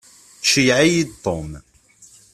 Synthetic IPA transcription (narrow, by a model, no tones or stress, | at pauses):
ʃiʕajid̪t̪ˤːom